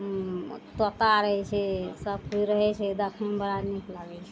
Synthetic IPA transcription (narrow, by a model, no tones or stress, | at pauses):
t̪ət̪aɾəɦɛt͡ʃʰɛsəb̚kʰuɾəɦɛt͡ʃʰɛd̪əkʰmebəɾanikʰlaɡɛt͡ʃʰɛ